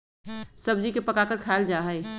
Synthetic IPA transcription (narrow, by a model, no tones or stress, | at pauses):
sɐb̚d͡ʒikepɐkakəɾkʰaːld͡ʒaːɦə